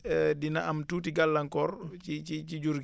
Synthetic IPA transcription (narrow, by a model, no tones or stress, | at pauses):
dina̰ʔamtuːtiɡalːaŋkɔːɾt͡ʃit͡ʃit͡ʃid͡ʒuɾk